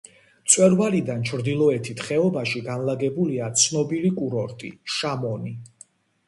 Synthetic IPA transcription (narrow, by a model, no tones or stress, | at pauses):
t̪sʼwɛɾvalid̪ant͡ʃʰɾd̪ilˠɔɛt̪ʰit̪ʰχɛɔbaʃiɡanlaɡɛbuliat̪sʰnɔbilikʼuɾɔɾt̪ʼḭʃamɔni